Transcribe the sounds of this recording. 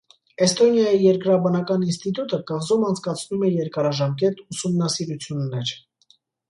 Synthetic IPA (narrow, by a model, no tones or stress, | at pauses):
ɛst̪ɔnjɑjijɛɾkɾɑbɑnɑkɑninst̪it̪ut̪əkɑʁzumɑnt͡sʰkɑt͡sʰnumɛjɛɾkɑɾɑʒɑmk̬ɛt̪usumnɑsiɾut͡sʰjunːɛɾ